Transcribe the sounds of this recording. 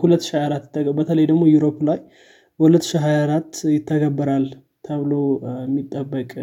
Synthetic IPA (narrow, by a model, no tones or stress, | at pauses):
hulət̪ːʃihajaɾat̪ːjɪt̪ʰːəɡəbət̪ʰələjd̪əɡmo̞juɾo̞plaj | bəhulət̪ːʃiɦajaɾat̪ːjɪt̪ʰːəɡəbːəɾal | t̪ʰəβlomːit̪ʼːəbːəkʼ